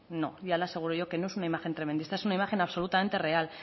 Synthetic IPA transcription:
no̞̰ʝalase̞ɣ̞uɾoʝo̞ke̞no̞esunaimaxe̞nt̪ɾemend̪ist̪ae̞sunaimaxe̞naβso̞lut̪ame̞nt̪e̞re̞al

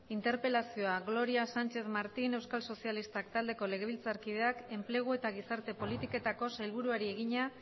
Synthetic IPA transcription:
int̪e̞ɾpe̞lasio̞aɣlo̞ɾiasant͡ʃe̞θmaɾt̪ine̞wskalso̞sialist̪akt̪ald̪e̞ko̞le̞ɣ̞e̞β̞ilt͡saɾkið̞e̞ake̞mple̞ɣ̞ue̞t̪aɣ̞isaɾt̪e̞po̞lit̪ike̞t̪ako̞sajlβ̞uɾuaɾie̞ɣ̞iɲa

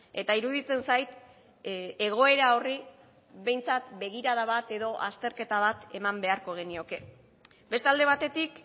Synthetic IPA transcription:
e̞t̪aiɾuðit͡se̞nsajt̪ | e̞ɣo̞e̞ɾao̞ri | βe̞jnt͡sat̪̚be̞ɣ̞iɾaðaβat̪e̞ðo̞ʔast̪e̞ɾke̞t̪aβ̞at̪e̞mambe̞aɾko̞ɣ̞e̞nio̞ke̞ | be̞st̪eald̪e̞β̞at̪e̞t̪ik

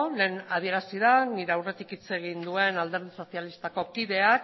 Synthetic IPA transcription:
le̞ːnað̞ie̞ɾasiðaniɾe̞awre̞t̪ikit͡se̞ɣ̞ind̪ue̞nald̪e̞ɾð̞iso̞sialist̪ako̞kiðe̞ak

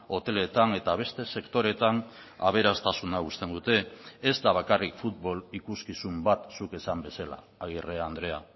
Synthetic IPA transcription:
o̞t̪e̞le̞t̪ane̞t̪aβ̞e̞st̪e̞se̞kt̪o̞ɾe̞t̪an | a̰β̞e̞ɾast̪asunaust̪e̞nd̪ut̪e̞ːzd̪aβ̞akarikfut̪̚βo̞likuskisumbat̪suke̞sambe̞sala̰ːɣ̞ireaand̪ɾe̞a

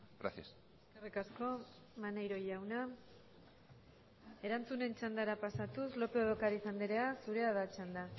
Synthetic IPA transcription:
ɡɾa̰sias | eskerikasko̞ | manajɾo̞jawna | e̞ɾant͡sune̞nt͡ʃand̪aɾapasat̪uslo̞peoðokaɾisand̪iɾe̞asuɾe̞aðat͡ʃand̪a

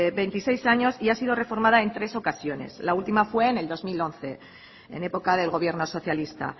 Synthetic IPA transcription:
βe̞jnt̪ise̞jsaɲo̞siasið̞o̞re̞fo̞ɾmað̞ae̞nt̪ɾe̞so̞kasjo̞ne̞̰slault̪imafwe̞ːne̞ld̪o̞zmilo̞n̟θe̞ | ḛne̞po̞kað̞e̞lɣ̞o̞β̞je̞ɾno̞so̞θjalist̪a̰

